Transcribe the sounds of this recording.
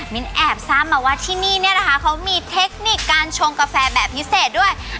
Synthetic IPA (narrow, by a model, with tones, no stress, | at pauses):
mi˨˦˥nʔɛː˨˩p̚saː˦˥˩mmaː˨˩waː˧˥˩t̪ʰiː˥˩niː˥˩ni˥˩ɐna˦kʰa˦˥kʰa˦˥wmiː˧t̪ʰe˦˥k̚ni˨˩kːaː˧nt͡ɕʰo˧ŋka˧fɛː˧bɛː˨˩pʰːi˦˥seː˨˩t̪̚du˥˩əj